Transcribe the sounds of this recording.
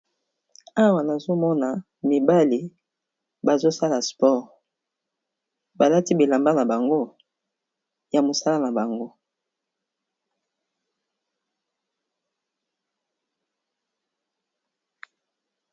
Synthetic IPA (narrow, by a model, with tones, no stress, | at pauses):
a˦wa˨na˨zo˦mɔ˦na˨ | mi˨ba˦li˨ | ba˨zo˦sa˦la˨spɔ˦˨ʁ | ba˨la˦ti˦bi˨la˨mba˦na˨ba˨ŋɡo˦ | ja˨mo˨sa˦la˦na˨ba˨ŋɡo˦